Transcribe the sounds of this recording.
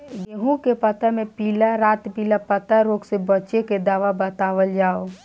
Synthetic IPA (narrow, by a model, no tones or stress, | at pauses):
ɡeɦũkepət̪əmepilaɾat̪pilapət̪əɾoɡsebətːʃeked̪aʋabət̪aʋəld͡ʒao